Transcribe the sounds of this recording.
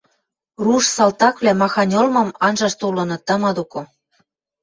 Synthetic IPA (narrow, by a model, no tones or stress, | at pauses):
ruʃsɑlt̪ɑkβlʲæmɑxɑnʲolmɤ̆mɑnʒɑʃt̪ulɤ̆nɤ̆t̪ə̆mɤd̪okŏ